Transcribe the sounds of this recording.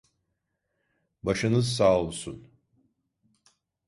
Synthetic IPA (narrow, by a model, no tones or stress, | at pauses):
baʃɯnɯzsaːlˠusun